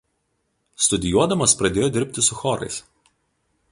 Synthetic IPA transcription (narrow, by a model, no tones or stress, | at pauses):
st̪ʊd̪ʲɪjuɔd̪ɐmɐspɾɐd̪ʲeːjoːd̪ʲɪɾʲpʲt̪ʲɪsʊxɔɾɐ̰ɪs